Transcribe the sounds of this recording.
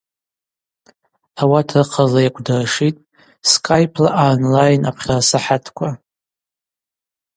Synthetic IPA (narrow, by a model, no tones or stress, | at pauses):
awatʰrɨqʰalajakʷʰʼdarʂitʼ | skʼajpʰlaʔanlajnapʰχʲarasaħatʰkʷʰa